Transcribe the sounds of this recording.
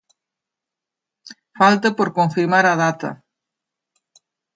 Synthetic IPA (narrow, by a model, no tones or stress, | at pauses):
falt̪ɐpoɾkoɱfiɾmaɾaðat̪ɐ̰